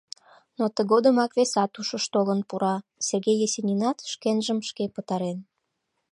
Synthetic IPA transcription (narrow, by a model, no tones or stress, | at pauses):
not̪əɣod̪əmɑkβesɑt̪uʃəʃt̪olənpuɾɑserɣejesʲenʲinɑt̪ʃkenʒəmʃkepət̪ɑɾen